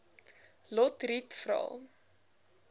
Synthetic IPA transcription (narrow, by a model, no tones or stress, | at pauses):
lɔtritfɾɑ̰ːlˠ